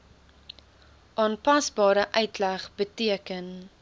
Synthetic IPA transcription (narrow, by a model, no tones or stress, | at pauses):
ʔɑːnpɐsbɑːɾəʔœɥtlæχbətiəkən